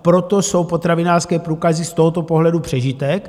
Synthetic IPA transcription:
pɾot̪oso̞wpot̪ɾavɪnaːrskɛːpɾuːkazɪst̪o̞ɦot̪opoɦlɛdupr̝̥ɛʒit̪ɛk

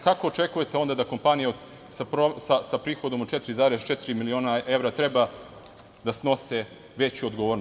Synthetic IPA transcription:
kako̞ːt͡ʃe̞kuje̞t̪eo̞nd̪ad̪ako̞mpanijeo | sapɾosasapɾiːxo̞d̪o̞mot͡ʃet̪iɾizaːɾest͡ʃet̪iɾimilio̞ːnaʔe̞ʋɾat̪ɾeba | d̪asno̞se | ʋet͡ɕuod̪ɡoʋoɾn

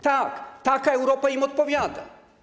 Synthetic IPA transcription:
t̪akt̪akaɛwɾɔpaimɔt̪̚pɔvʲjad̪a̰

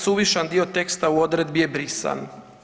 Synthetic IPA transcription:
suʋiʃand̪iot̪e̞kst̪auo̞d̪ɾe̞d̪̚bije̞bɾisa̰n

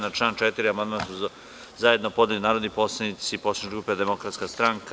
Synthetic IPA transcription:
naʈ͡ʂlaːnt͡ʃet̪iɾiamand̪mansu | zajed̪nopd̪ʲelinaːɾod̪iposlˠanit̪siposat͡ʃɡɾuːped̪emokɾat̪skast̪ɾaŋka

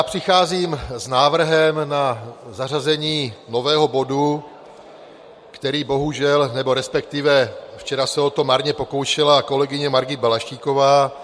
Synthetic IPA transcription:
jaːpr̝̥ɪxaːziːmznaːvr̩ɦɛmnazarazɛɲiːno̞vɛːɦo̞bo̞du | kt̪ɛɾiːbo̞ɦuʒɛlnɛbo̞ɾɛspɛk̚t̪ɪvɛft͡ʃɛɾasɛo̞t̪omaɾɲɛpo̞ko̞wʃɪlako̞lɛɡɪɲɛmaɾɡɪbɛlaʃciːko̞vaː

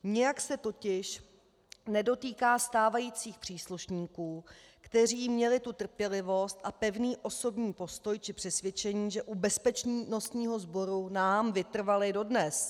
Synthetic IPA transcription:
ɲɪjaksɛt̪o̞cɪʃ | nɛdo̞t̪iːkaːst̪aːvajiːt͡siːxpr̥iːsluʃɲiːkuː | kt̪ɛr̝iːmɲɛlɪt̪ut̪r̩pjɛlɪvo̞st̪ʔapɛvniːʔo̞so̞bɲiːpo̞st̪o̞jt͡ʃɪpr̝̥ɛsvjɛt͡ʃɛɲiːʒɛʔubɛspɛt͡ʃɲinosɲiːɦo̞zbo̞ɾunaːmvɪt̪r̩valɪdo̞dnɛs

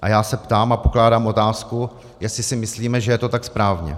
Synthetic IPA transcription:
ʔajaːsɛpt̪aːmapo̞klaːdaːmʔo̞t̪aːsku | jɛstɪsɪmɪsliːmɛʒɛjɛt̪o̞t̪akspɾaːvɲɛ̰

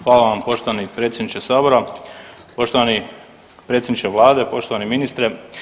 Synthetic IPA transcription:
xʋaːlaʋampo̞ʃt̪oanipɾe̞ːt̪sʲjed̪nit͡ʃesaːbo̞ɾa | po̞ʃt̪oʋani | pɾet̪sʲjed̪nit͡ʃeʋlˠaːd̪e̞po̞ʃt̪oaniminist̪ɾe

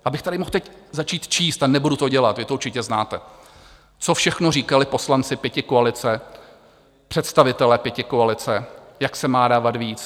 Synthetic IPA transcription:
ʔabɪxt̪adɪmoxt̪ɛczat͡ʃiːt̪t͡ʃiːst̪anɛbudut̪oɟɛlat̪vɪt̪ouɾt͡ʃɪcɛznaːt̪ɛ | t͡sofʃɛxnoriːkalɪpo̞slant͡sɪpjɛcɪkoalɪt͡sɛ | pr̝̥ɛt̪st̪avɪt̪ɛlɛpjɛcɪkoalɪt͡sɛjaksɛmaːdaːvat̪viːt͡s

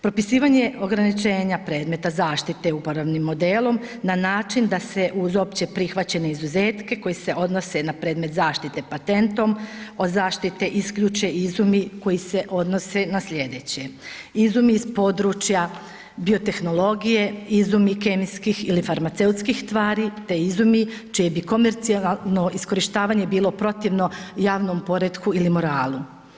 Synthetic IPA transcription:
pɾo̞pisiːʋaɲeʔo̞ɡɾanit͡ʃe̞ːɲapɾe̞ːd̪met̪azaːʃt̪it̪e̞upoɾoʋnimːo̞d̪eːlo̞mnanaːt͡ʃind̪ase̞ʔuzo̞pt͡ɕe̞pɾixʋat͡ɕe̞ne̞izuzeːt̪ke̞ko̞jise̞ʔo̞d̪no̞se̞napɾe̞ːd̪me̞t̪zaːʃt̪it̪e̞pat̪e̞nt̪o̞mo̞zaːʃt̪it̪e̞ʔiskʎut͡ʃeizumiko̞jise̞ʔo̞d̪no̞se̞nasʎe̞d̪e̞t͡ɕe̞izumiːzpo̞ːd̪ɾuːt͡ʃja | bio̞t̪e̞xno̞lˠo̞ɡije̞izumikemiskixilifaɾmat̪se̞ut̪skixst̪ʋaːɾit̪e̞izumit͡ʃijebiko̞meɾt̪siaano̞ʔisko̞ɾiʃt̪aːʋaːɲe̞biːlˠo̞pɾo̞t̪iʋno̞jaːʋno̞mpo̞ɾed̪kuilimo̞ɾaːlˠu

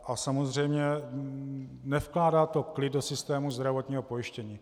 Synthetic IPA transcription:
ʔasamozr̝ɛjmɲɛ | nɛfklaːdaːt̪o̞klɪdosɪst̪ɛːmuzd̪ɾavo̞t̪ɲiːɦopo̞jɪʃcɛɲiː

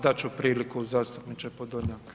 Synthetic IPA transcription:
d̪at͡ɕupɾiːlikuzaːst̪upnit͡ʃepod̪oɲak

